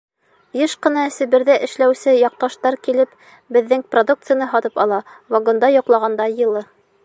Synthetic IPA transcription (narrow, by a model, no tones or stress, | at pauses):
jɤʃqɤ̆nɑsɘ̆βɘ̆ɾðæʔɘ̆ʃlæwsɘjɑq̚t̪ɑʃt̪ɑɾkilɘp | bɘ̆ðːɘŋprod̪uk̚t̪sɨjənɤɦɒt̪ɤpɑlˠɑvɐɡond̪ɑjŏqlˠɑʁɑnd̪ɑjɤ̆lˠɤ